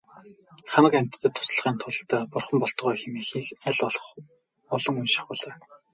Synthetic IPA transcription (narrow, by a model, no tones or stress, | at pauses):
χamə̆kæm̥ʲt̪ʰːə̆t̪ʰːʊ̥sɮə̆ʁiːnt̪ʰʊɮ̆t̪ʰæːpʊrχɞ̆mpɔɮt̪̆ʁɔːjxemeːxiːkæɮ | ɔɮɞ̆ŋunʃɪ̥̆χpɔɮaː